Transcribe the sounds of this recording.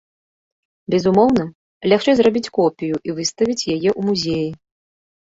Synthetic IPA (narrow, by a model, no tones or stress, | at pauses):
bʲɛzumɔwnɐ | lʲaxt͡ʂɛzrabʲit͡sʲkɔpʲijuʔivɨst̪ɐvʲit͡sʲjajɛʔumuzʲeji